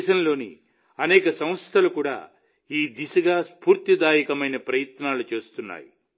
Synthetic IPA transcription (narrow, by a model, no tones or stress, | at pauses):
ʃɐnlo̞ːnḭ | ɐnɛːkɐsɐmɐst̪ʰɐlukuːɽa̰ː | iːd̪isɐɡaːspuːɾt̪id̪aːjikɐmɐjnɐpɾɐjɐt̪naːlut͡ʃe̞ːst̪unːa̰ːji